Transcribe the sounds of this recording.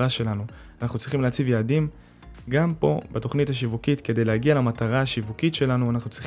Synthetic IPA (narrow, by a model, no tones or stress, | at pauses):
aʃe̞lanu | anaχnut͡sʁiχimleat͡sivjaːdim | ɡampo̞beto̞χnithaʃ̬ivukitke̞dejleaɡialemataʁaːʃivukitʃe̞lanuanaχnut͡sʁi